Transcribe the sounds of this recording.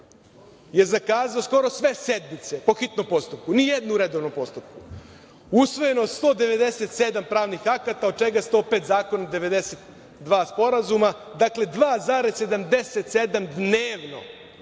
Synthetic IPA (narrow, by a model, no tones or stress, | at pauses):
je̞zakaːzaosko̞ɾo̞sʋe̞se̞d̪mit̪se̞po̞xit̪nompo̞st̪up̚kunijed̪nuɾed̪oʋnompo̞st̪up̚ku | usʋo̞je̞nost̪o̞ːd̪e̞ʋe̞d̪eset̪sed̪ampɾaːʋnixakat̪aod̪̚t͡ʃe̞ɡast̪o̞ːpeːt̪zaːko̞nad̪e̞ʋe̞d̪eset̪ | d̪ʋaːspo̞ɾazumad̪akle̞d̪ʋaːzaɾesse̞d̪amd̪eset̪se̞d̪amd̪neːʋno̞̰